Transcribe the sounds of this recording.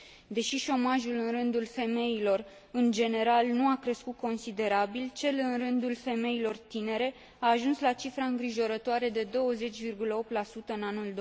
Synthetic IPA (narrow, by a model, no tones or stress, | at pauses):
d̪e̞ʃiʃo̞maʒulɨnrɨnd̪ulfe̞me̞ilo̞r | ɨnd͡ʒe̞ne̞ɾalnuakɾe̞skut̪̚ko̞nsid̪e̞ɾabilt͡ʃe̞lɨnrɨnd̪ulfe̞me̞ilo̞rt̪ine̞ɾe̞ | aːʒunslat͡ʃifɾaɨŋɡɾiʒo̞ɾət̪oaɾe̞d̪e̞d̪o̞wəze̞t͡ʃʲvirɡuləo̞p̚t̪lasut̪əɨnanuld̪